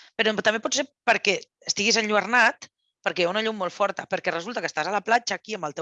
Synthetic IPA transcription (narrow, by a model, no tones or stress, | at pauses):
pəɾot̪əmbepɔt͡sseɾpəɾkɛ | əst̪iɣizənʎuəɾnat̪ | pəɾkɛjaunəʎumːolˠfɔɾt̪əpəɾkɛrəzulˠt̪əkəst̪azələplat͡ʃəːkiəmbəlˠt̪e